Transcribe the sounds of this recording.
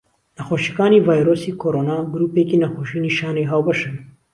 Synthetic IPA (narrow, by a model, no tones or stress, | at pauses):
nɐxoʃikaːnivaːjɾoːsiːkʰoːɾoːnaːɡuɾuːpeːkinɐxoːʃiːniʃaːneɦaːwbɐʃɨn